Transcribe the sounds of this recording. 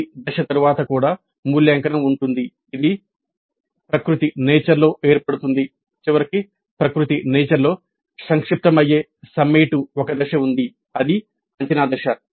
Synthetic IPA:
d̪ɐʂɐt̪ɐɾuʋaːt̪ɐkuːɽaː | muːljɐːŋkɐnɐmuɳʈund̪iː | d̪i | pɾɐkɾut̪inɛːt͡ʃɐɾlo̞ːʔe̞ːɾpɐɽut̪und̪i | t͡ʃiʋɐɾiki | pɾɐkɾut̪inɛːt͡ʃɐɾlo̞ː | sɐŋkʂip̚t̪ɐmɐjːeː | sɐmeːʈuɔkɐd̪ɐʃɐund̪i | ɐd̪i | ɐɲt͡ʃɐnaːd̪ɐʃɐ

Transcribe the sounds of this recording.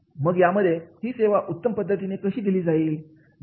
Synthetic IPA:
məɡjaməd̪ʱːjehiːseʋaʔut̪ːəmpəd̪ʱːət̪̬inekəɕiːd̪iliːd͡zaiːl

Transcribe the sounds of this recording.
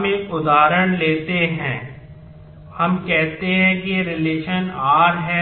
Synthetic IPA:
mẽʔʊd̪aːɾəɽ̃leːt̪eɦɛ̰̃ː | hɐmkɛɦt̪eɦɛ̃kijeɾɪleːʃənaːɾɦɛ

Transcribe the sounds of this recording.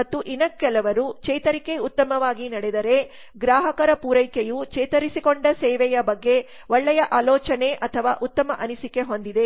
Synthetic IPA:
mɐt̪ːuʔinɐkːɛlɐʋɐɾut͡ʃɛjt̪ɐɾike̞ut̪ːɐmɐʋaːɡinɐɽed̪ɐɾe̞ | ɡɾaːɦɐkɐɾɐpuːɾɐjkejut͡ʃɛjt̪ɐɾisikoɳɖɐsɛːʋɛjɐbɐɡːe̞ | ɔɭːɛjɐʔaːlɔːt͡ʃɐne̞ʔɐt̪ʰɐʋa̰ːʔut̪ːɐmɐʔɐnisike̞ɦo̞nd̪id̪e̞

